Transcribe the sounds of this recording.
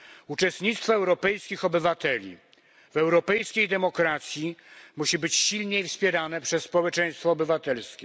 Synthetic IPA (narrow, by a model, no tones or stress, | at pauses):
ut͡ʂɛst̪ɲit̪st̪fɔɛwɾɔpɛjskʲixɔbɘvat̪ɛlʲḭ | vɛwɾɔpɛjskʲejd̪ɛmɔkɾat̪sʲjimuɕibɘt͡ɕɕilɲejfspʲjɛɾanɛpʂɛsːpɔwɛt͡ʂɛj̃st̪fɔːbɘvat̪ɛlskʲɛ